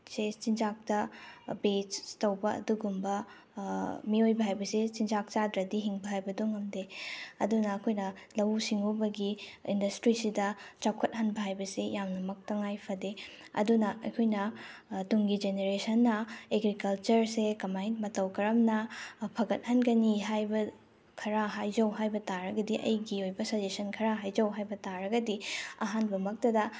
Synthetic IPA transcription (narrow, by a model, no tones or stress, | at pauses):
set͡ʃind͡ʒak̚tɐbet͡ʃtɐwbɐɐ̰duɡumbɐ | miojbɐɦajbɐset͡ʃind͡ʒak̚t͡ʃadɾɐdiɦiŋbɐɦajbɐduŋɐmdeɐ̰dunɐːkʰojnɐlɐwsiŋubɐɡiḭndɐstɾisidɐt͡ʃakʰɐt̚ɦɐnbɐɦajbɐsejamnɐmɐk̚tɐŋajpʰɐdeɐ̰dunɐɐ̰jkʰojnɐtuŋɡid͡ʒeneɾesɐnːɐeɡɾikɐlt͡ʃɐɾsekɐmajntmɐtɐwkɐɾɐmnɐpʰɐɡɐt̚hɐnɡɐniɦajbɐ | kʰɐɾaɦajd͡ʒɐwɦajbɐtaɾɐɡɐdiʔɐ̰jɡiojbɐsod͡ʒesɐnkʰɐɾaɦajd͡ʒɐwɦajbɐtaɾɐɡɐdiɐ̰ɦanbɐmɐk̚tɐdɐ